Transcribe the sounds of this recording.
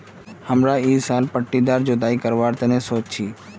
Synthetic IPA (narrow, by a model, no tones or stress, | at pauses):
həmɾaiːsaːlpəʈːid̪aːɾd͡ʒod̪aːikəɾʋaːɾt̪ənesoːt͡ʃt͡ʃʰiː